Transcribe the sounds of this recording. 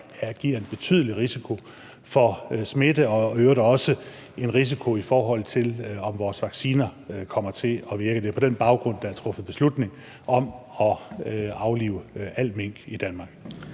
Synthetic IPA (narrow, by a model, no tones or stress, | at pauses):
æɡ̥iɐ̰e̝d̥̚b̥e̝t͡sʰy̰ð̞̰ˠəliʁisikʰo̝ | fɒ̽sme̝d̥əɒ̽øʊɐɾ̥əɒ̽sə | e̝nʁis̬ikʰo̝ifɒːɦɒ̽l̰t͡sʰe̝lɒ̽mʋɒːsʋɑ̈ɡ̥siːnɐkʰɒ̽m̰ɐt͡sʰe̝ɒ̽ʋiɐɡ̥əd̥epʰɒ̽d̥enb̥ɑ̈ʊɡ̥ʁɔ̽n̰d̥ɑ̈æɐt͡sʰʁɔ̽fð̩ˠb̥e̝slud̥neŋ | ʔɒ̽mɒ̽ɑ̈ʊlḭːʊæl̰meŋ̰ɡ̥id̥ænmɑ̈ːɡ̥